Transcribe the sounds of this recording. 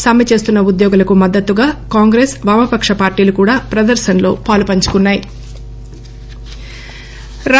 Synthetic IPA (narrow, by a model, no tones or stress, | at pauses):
saːmjɐt͡ʃe̞ːst̪unːɐud̪jɔːɡulɐkumɐd̪ːɐt̪ːuɡaːkaːŋɡɾe̞ːsʋaːmɐpɐkʂɐpaːɾʈiːlukuːɽaːpɾɐd̪ɐɾʃɐnlo̞ːpaːlupɐɲt͡ʃu̥kunːaːji | ɾ